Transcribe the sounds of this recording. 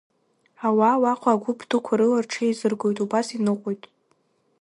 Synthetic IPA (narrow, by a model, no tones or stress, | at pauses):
awawaqʰʷʼaːɡʷʊpʰdɨkʷʰaɾɨlarʈ͡ʂʰejzɨrɡo̞jtʼubasinɨqʷʼojtʼ